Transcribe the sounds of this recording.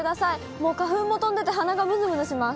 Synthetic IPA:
ɯd̪asai | mo̞ːkaɸɯ̟̃mːo̞t̪õ̞nd̪e̞t̪e̞ɦanaɡamɯ̟zɨmɯ̟noɕimas

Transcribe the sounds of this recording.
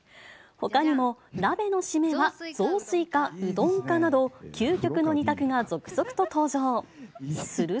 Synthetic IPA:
ho̞kaɲ̟imo̞nabe̞no̞ɕime̞βad͡zo̞ːsɨikaɯ̟d̪õ̞ŋkanad̪o̞kʲʰɨːkʲo̞kɯ̟no̞ɲ̟ʲit̪akɯ̟ŋazo̞kɯ̟̥z̥o̞kɯ̟̥t̪o̞t̪o̞ːʑo̞ː | sɨɾɯ̟

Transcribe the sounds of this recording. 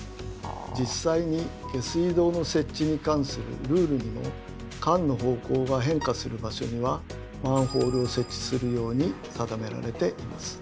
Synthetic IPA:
d͡ʑisːaiɲ̟iɡ̥e̞sɨid̪o̞ːno̞se̞t͡ɕɕiɲ̟ikãɰ̃sɨɾɯ̰ɾɯ̟ːɾɯ̟ɲ̟imo̞̰ | kãnːo̞ɦo̞ːko̞ːɡaɦẽ̞ŋkasɨɾɯ̟baɕo̞̰ɲ̟iβa | mãɰ̃ho̞ːɾɯo̞se̞t͡ɕːi̥sɨɾɯ̟jo̞ːɲ̟i | sad̪ame̞ɾa̰ɾe̞t̪e̞ʔima̰sɨ̥

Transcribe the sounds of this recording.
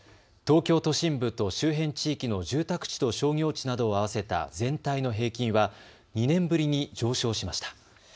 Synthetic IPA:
t̪o̞ːkʲo̞ːt̪o̞ɕĩmbɯ̟t̪o̞ɕɨːɦẽ̞ɲt͡ɕiːkʲino̞ʑɨːt̪akɯ̟̥t͡ɕi̥t̪o̞ɕo̞ːŋʲo̞ːt͡ɕinad̪o̞ːaβ̞ase̞t̪a̰zẽ̞nt̪aino̞ɦe̞ːkʲĩɰ̃βa | ɲ̟inẽ̞mbɯ̟ɾʲiɲ̟id͡ʑo̞ːɕo̞ːɕimaɕi̥t̪ḁ

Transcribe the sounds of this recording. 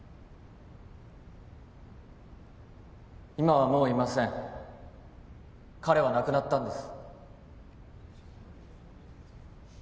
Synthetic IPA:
imaβamo̞ːimasẽ̞ŋ | kaɾe̞β̞anakɯ̟nat̪ːãnd̪e̞sɨ̥

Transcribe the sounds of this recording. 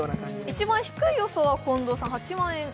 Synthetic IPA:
it͡ɕimãɰ̃çi̥kɯ̟ijo̞soːβakõnd̪oːsãɰ̃hat͡ɕimãɰ̃ẽŋ

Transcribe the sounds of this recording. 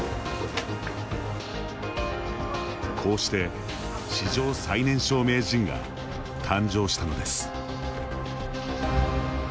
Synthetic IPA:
kʰo̞ːɕi̥t̪e̞ | ɕiʑo̞ːsainẽ̞ɰ̃ɕo̞ːme̞ːʑĩŋɡa̰ | t̪ʰãɲd͡ʑo̞ːɕi̥t̪ano̞d̪e̞sɨ̥

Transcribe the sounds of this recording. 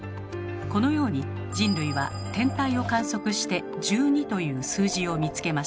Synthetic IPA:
ko̞no̞jo̞ːɲ̟i | d͡ʑĩnɾɯ̟iβa̰ | t̪ẽ̞nt̪aio̞kãɰ̃so̞kɯ̟ɕi̥t̪e̞ | d͡ʑɨːɲ̟it̪o̞jɯ̟ːsɨːʑio̞mʲit͡sɨ̥ke̞maɕ

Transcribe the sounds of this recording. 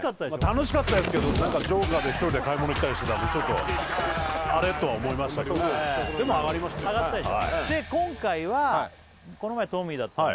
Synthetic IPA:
kat̪ːad̪emat̪ano̞ɕi̥kat̪ːad̪esɨ̥ke̞d̪onãŋkad͡ʑo̞ːɡad̪e̞çi̥t̪o̞ɾid̪e̞kaimooit̪ːaɾʲiɕi̥t̪e̞t̪amot͡ɕo̞t̪ːo̞ | aɾe̞t̪oβaomo̞imaɕi̥t̪akd̪ed̪e̞moaɡaɾʲimaɕi̥t̪aaɡattːad̪eoa̰id̪e̞kõ̞ŋkaiβa | ko̞no̞maet̪o̞ːmʲiːd̪at̪ː

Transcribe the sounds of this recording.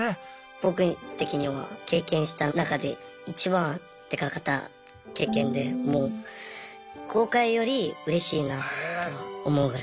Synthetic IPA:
b̥o̞kɯ̟t̪e̞kʲiɲ̟iβa̰ke̞ːkẽ̞ɰ̃ɕi̥t̪anakad̪e̞̰ | it͡ɕibã | t̪e̞kakat̪ːa̰ | ke̞ːkẽ̞nd̪e̞mo̞ː | kʰo̞ːkaijo̞ɾʲiɯ̟ɾe̞ɕiːnat̪o̞omo̞ɯ̟ɡɯɾa

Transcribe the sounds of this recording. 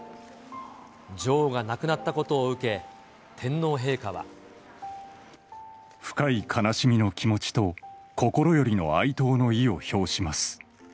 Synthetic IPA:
d͡ʑo̞ːɡanakɯ̟nat̪ːako̞t̪o̞ːɯ̟ke̞ | t̪ʰẽ̞nːo̞ːɦe̞ːkaβa̰ | ɸɯ̟̥kaikʰanaɕimʲino̞kʲʰimo̞t͡ɕi̥t̪o̞ko̞ko̞ɾo̞jo̞ɾʲino̞̰ait̪o̞ːno̞io̞ço̞ːɕimasɨ̥

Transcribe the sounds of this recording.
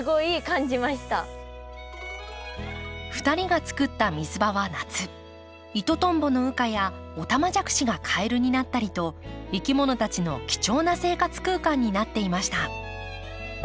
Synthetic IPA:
ɨɡo̞iːkãɲ̟d͡ʑimaɕi̥t̪a | ɸɯ̟̥t̪aɾʲiɡat͡sɨ̥kɯ̟t̪ːamʲizɨbaβanat͡sɨ | it̪o̞t̪õ̞mbo̞no̞ɯ̟kaja | o̞t̪amad͡ʑakɯ̟̥ɕiɡakʰae̞ɾɯ̟ɲ̟inat̪ːaɾʲit̪o̞ikʲimo̞no̞t̪at͡ɕino̞̰kʲi̥t͡ɕo̞ːnase̞ːkat͡sɨ̥kɯ̟ːkãɲ̟ːinat̪ːe̞imaɕi̥t̪a

